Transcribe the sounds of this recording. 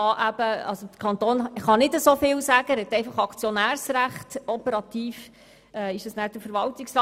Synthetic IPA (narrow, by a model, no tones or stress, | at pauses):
ɑʔæb̥əɑ̰lsod̥̪ə̥kʰɑnt̪oːnχɑnɪdəsofɪlsæɡəɾhɛt̪ɛɪfɑχɑkt͡sjɔnæːɾsɾæχtɔpəɾɑt̪iːf | ɛɪʃdɑsnæːɾd̥əɾfəɾʋɑltɪksrɑː